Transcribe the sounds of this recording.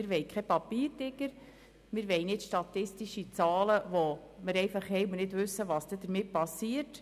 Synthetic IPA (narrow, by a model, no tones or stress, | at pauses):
ɪɾʋɛjkʰχɛpɑpiːɾdɪɡ̥əɾ | mɪɾʋɛɪjnɪtʃtɑt̪ɪstiʃit͡sɑːləʋo | məɾɛjfɑχhɛjʊnɪtʋʉsːəʋɑsd̥̪ɛd̥̪əɾmɪt̚pɑsiːət